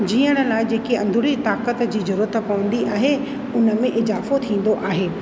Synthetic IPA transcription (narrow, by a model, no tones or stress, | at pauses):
d͡ʑiːəɽ̃ə̆laːɪd͡ʑeːkeɐ̃nd̪ʱʊɽit̪aːkət̪d͡ʑiːzʊɾuːət̪pɐʋə̃n̆d̪iʔaːɦe | ʊnə̆mẽʔɪzaːfot̪ʰĩːn̆d̪oʔaːɦeː